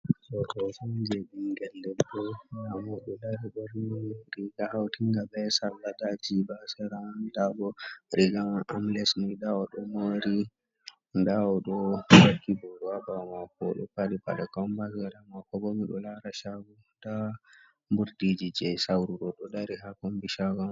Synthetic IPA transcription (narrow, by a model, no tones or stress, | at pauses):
tɔɗɔsud͡ʒeɗiŋɡɛldɛɔjamɔɗɔlaɾiɗɔɾniɾiɡahawtiŋɡabɛsalːadad͡ʒibasɛɾandabɔɾiɡaʔamlɛsmiɗaɔɗɔmoɾi | ndaɔɗɔwakːibɔɾɔabamakɔɗɔ̰paliba̰ɗakambasaɾamakɔbɔmiɗɔlaɾaʃaɡɔ | d̥a | mbuɾdid͡ʒid͡ʒɛsawɾuɾɔɗɔdaɾihakɔmbiʃaɡɔ